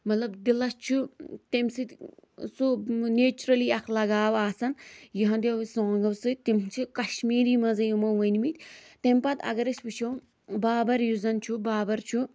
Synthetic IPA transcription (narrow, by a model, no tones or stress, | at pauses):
mɐt̪lɐbd̪ilɐst͡ʃʰut̪emsɨt̪ʲsoneːt͡ʃuɾɐliːɐklɐɡaːʋaːsɐnjiɦɐ̃d̪ʲeʋsõːŋɡɐwsɨt̪imt͡ʃʰikɐʃmiːɾiːmɐzɐjumɐʋɐnʲmit̪ʲt̪empɐt̪ɐ̰ɡɐɾɐʃʋɨt͡ʃʰo | baːbɐɾjuzɐnt͡ʃʰubaːbɐɾt͡ʃʰu